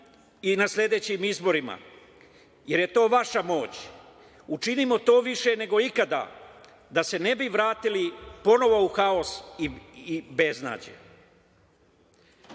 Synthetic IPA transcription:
inaslʲe̞d̪e̞ːt͡ɕimizbo̞ɾima̰ | je̞ɾje̞t̪o̞ːʋaʃamo̞ːt͡ɕ | ut͡ʃinimo̞t̪o̞ːʋiʃe̞ne̞ɡo̞ikad̪a̰ | d̪ase̞ne̞biʋɾaːt̪ilipo̞no̞ʋo̞uxao̞siibe̞zna̰ːd͡ʑḛ

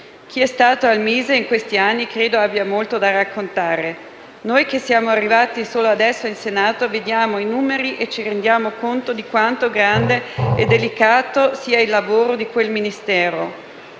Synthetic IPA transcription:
k̟ʰiɛst̪aːt̪oalmiːzeiŋkwest̪ianːikɾeːd̪oabjamolt̪od̪arakːont̪aːɾe | nojkesːjaːmoarːivaːt̪isoːload̪ɛsːoinsenaːt̪oved̪jaːmoinuːmeɾiʔet͡ʃiɾend̪jaːmokont̪od̪ikwant̪oɡɾand̪eed̪elikaːt̪osiːailːavoːɾod̪ikwelminist̪ɛːɾo

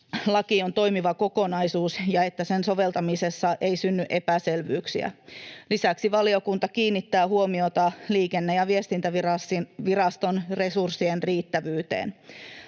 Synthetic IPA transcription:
lɑkiont̪o̞jmiʋɑko̞ko̞nɑjsuːsjɑet̪ːæsenso̞ʋe̞lt̪ɑmisesːɑʔe̞isynːyʔe̞pæselʋyːksḭæ̰lisæksiʋɑlio̞kunt̪ɑkiːnːit̪ːæːhuo̞mio̞t̪ɑliːkenːejɑʋie̞st̪int̪æʋirɑsiʋirɑst̪o̞nre̞sursːienriːt̪ːæʋyːt̪ḛːn

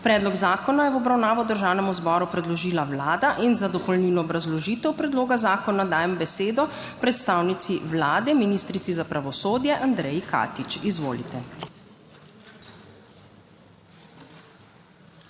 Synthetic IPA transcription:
pɾɛːd̪lɔɡzaːkɔnajɛwɔbɾawnaːʋɔd̪əɾʒaːwnɛmɔzbɔːɾupɾɛd̪lɔʒiːlaʋlaːd̪aʔinzad̪ɔpɔlninɔːbɾazlɔʒiːt̪ɛwpɾɛd̪loːɡazaːkɔnad̪aːjɛmbɛseːd̪ɔ | pɾɛt̪st̪aːwnit̪siʋlaːd̪ɛminist̪ɾit̪sizapɾaʋɔsoːd̪jɛʔand̪ɾɛjikʰa̰ːt̪it͡ʃizʋo̰ːlḭt̪ɛ

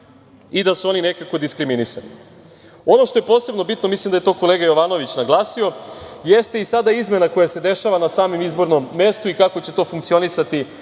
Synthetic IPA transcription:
id̪asuo̞nine̞kako̞d̪iskɾiminisa̰nḭ | o̞no̞ʃt̪o̞je̞po̞ːse̞bno̞bit̪no̞mislˠimd̪ajet̪o̞ːko̞leɡajo̞ʋaːno̞ʋit͡ɕnaɡlˠaːsio̞je̞st̪eisad̪aizme̞nako̞jase̞d̪e̞ʃaʋanasaːmimizbo̞ɾno̞mːe̞st̪uikako̞t͡ɕe̞t̪o̞ːfuŋkt̪sio̞nisat̪i

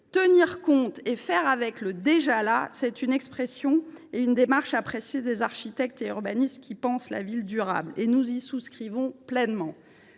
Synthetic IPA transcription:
t̪əniʁkɔ̃t̪efɛʁavɛkləd̪eʒalasɛt̪ynɛkspχesjɔ̃eynd̪emaʁʃapχesjed̪ezaʁʃit̪ɛk̚t̪eyʁbanist̪kʲipɑ̃sla̰vild̪yʁa̰blenuzisuskχivɔ̃plɛnmɑ̃

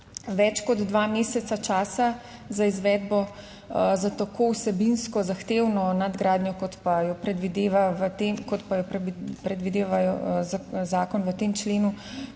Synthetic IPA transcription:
ʋɛt͡ʃkɔd̪d̪ʋaːmeːsɛt̪sat͡ʃaːsazaizʋɛd̪bɔ | zat̪akowsɛbinskɔzaxt̪eːwnɔnad̪ɡɾaːd̪nʲjɔkɔt̪pajɔpɾɛd̪ʋid̪eːʋaʋət̪emkɔt̪pajɔppɾɛd̪ʋid̪eːʋajɔ | zaːkɔnʋət̪emt͡ʃleːnu

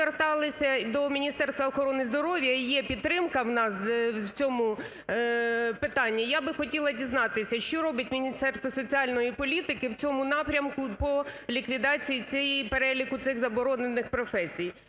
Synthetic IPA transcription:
ert̪ɑlˠɪsʲɐd̪ɔmʲinʲist̪ɛrst̪ʋɐɔxɔɾɔnɪzd̪ɔɾɔʋʲjɐjɛpʲid̪̚t̪ːɾɪmkɐwnɑswt͡sʲɔmʊ | pɪt̪ɑnʲːijabɪxɔtʲilˠɐdʲiznɑt̪ɪsʲɐʃt͡ʃɔɾɔbʲɐt̚ʲmʲinʲist̪ɛrst̪ʋɐsɔt͡sʲiɑlʲnɔjipɔlʲit̪ɪkɪwt͡sʲɔmʊnɑpɾʲɐmkʊpɔlʲikʋʲid̪ɑt͡sʲijit͡sʲɛjipeɾɛlʲikʊt̪sɪɣzɐbɔɾɔne̞nɪxpɾɔfɛsʲij

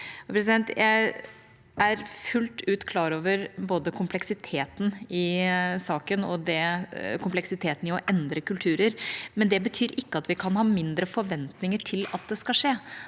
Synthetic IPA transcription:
pʰɾɛs̬ɪd̪ɛnt̪jæɪ | ʔæɾfʉlt̪ʉːt̪kʰlɑːɾoːʋəɾboːd̪əkʰʊmplɛksɪt̪ʰeːt̪n̩ɪsɑːkənɔ̰d̪ɛkʰʊmplɛksɪt̪ʰeːt̪n̩ɪɔʔɛnd̪ɾəkʉlt̪ʰʉːɾəɾmɛnd̪ɛbət̪ʰyːɾʔɪkːəɑt̪ʋɪkʰɑnhɑːmɪnd̪ɾəfɔɾʋɛnt̪nɪŋəʈʰɪlɑt̪̚d̪ɛskɑʂeː

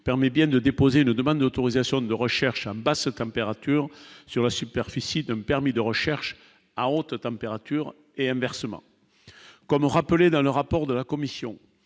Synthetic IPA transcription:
pɛʁmɛbjɛ̃d̪əd̪epozeynəd̪əmɑ̃d̪d̪ot̪oʁizasjɔ̃d̪əʁəʃɛʁʃɑ̃bast̪ɑ̃peʁat̪yʁsyʁlasypɛʁfisid̪ɛ̃mpɛʁmid̪əʁəʃɛʁʃ | aot̪t̪ɑ̃peʁat̪yʁ | eɛ̃vɛʁsəmɑ̰̃ | kɔmʁapəled̪ɑ̃ləʁapɔʁd̪əlakɔmisjɔ̰̃

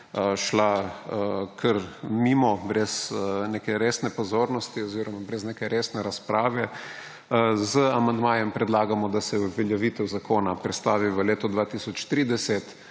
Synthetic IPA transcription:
ʃla | kʰəɾmimɔbɾɛzneːkɛɾeːsnɛpɔzoːɾnɔst̪iɔziːɾɔmabɾɛznekɛɾeːsnɛɾaspɾaːʋɛ | zəamand̪maːjɛmpɾɛd̪laːɡamɔd̪asɛubʋɛljɛʋiːt̪ɛwzakoːnapɾɛt̪st̪aːʋiʋəleːt̪ɔd̪ʋaːt̪isɔt͡ʃt̪ɾiːd̪ɛsɛt̪

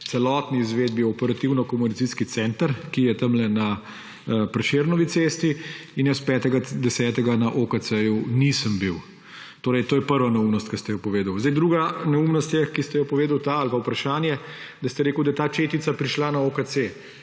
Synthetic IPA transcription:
t̪sɛlɔːt̪niːzʋeːd̪̚biɔpɛɾat̪iwnɔkɔmunit̪siskit̪sɛːnt̪əɾkijɛt̪ɐmlɛna | pɾɛʃeːɾnɔʋit̪seːst̪iinjɛspɛːt̪ɛɡad̪ɛsɛːt̪ɛɡanaʔokat̪sɛjunisəmbiw | t̪oːɾɛjt̪oːjɛpəɾʋanaumnɔst̪kɐst̪ɛjɔpɔʋeːd̪əwzd̪jd̪ɾuːɡanaumnɔst̪jɛkist̪ɛjɔpɔʋeːd̪əwt̪aalpawpɾɐʃaːnjɛd̪ɐst̪ɛɾeːkuwd̪ɐjɛt̪aːt͡ʃeːt̪it̪sapɾiʃlanaokase

